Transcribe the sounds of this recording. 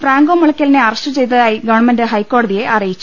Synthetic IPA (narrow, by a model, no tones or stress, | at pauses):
fraːŋɡoːmːuɭɐkʲːɐlneɐrɐstɨt͡ɕe̞jt̪̬ːɐðjiɡɐʋɐɳmendɨɦɐjkːo̞ːɽɐðije̞ʔɐrijit͡ɕːu̥